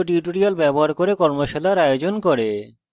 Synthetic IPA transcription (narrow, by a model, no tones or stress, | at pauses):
oʈiʈoɾialbɛboɦaɾkoɾekɔɾmoʃelaɾajod͡ʑonkoɾe